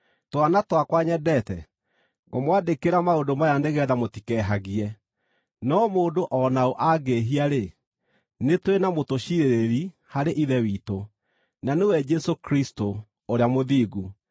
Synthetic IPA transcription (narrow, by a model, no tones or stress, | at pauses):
twanatwakwaɲɛdɛtɛ | ɣɔmwadekeɾamaondomajandeɣɛːðamotikɛɦaɣiɛ | nɔmoːndoʔɔnaoʔaɡeɦiaɾe | netwenamotoɕiɾeɾeɾi | haɾeʔiðɛwiːto | nanewɛd͡ʒɛsokɾisto | oɾeamoðiːɣu